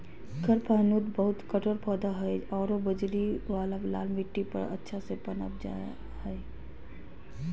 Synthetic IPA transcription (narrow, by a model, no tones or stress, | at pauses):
kəɾpəɦnud̪bəɦʊt̪kəʈoɾpəːd̪aɦɛeɔːɾobəd͡ʒɾiʋaːlabla̰ːlmiʈːipə̰ɾə̰tːʃʰasepənə̰p̚d͡ʒa̰ːja̰ | hɛe